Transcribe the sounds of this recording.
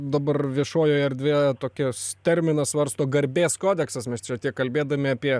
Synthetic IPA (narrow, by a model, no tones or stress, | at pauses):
d̪ɐbɐrʋʲiɛʃoːjoːɛrʲd̪ʲʋʲeːt̪oːkʲɪst̪ʲɛɾʲmʲɪnɐsʋɐrst̪oːɡɐɾʲbʲeːskoːd̪ʲɛksɐsmʲɛst͡ʃʲɛt̪ʲiɛkkɐlʲbʲeːd̪ɐmʲɪɐpʲiɛ